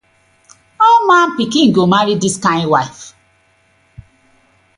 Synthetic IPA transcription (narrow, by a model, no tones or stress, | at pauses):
omãn̩pikĩŋ̩ɡomaɾidiskãɪ̃nwaɪf